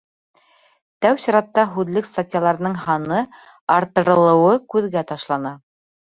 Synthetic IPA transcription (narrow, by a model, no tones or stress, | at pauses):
t̪æwɕɑɾɑt̪ːɑɦʉðlɘkst̪atʲjalˠɑɾɤ̆nɤɴhɑnɤ | ɑɾt̪ɤ̆ɾɤ̆lˠɤ̆wɤkʉðɡæt̪ɑʃlˠɑnɑ